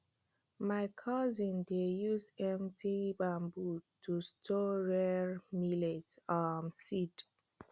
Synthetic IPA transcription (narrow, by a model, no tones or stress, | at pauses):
maɪkʰɔzĩndejuzɛ̃mtʰibãmbutʰustʰɔɹɛɹmiletamsid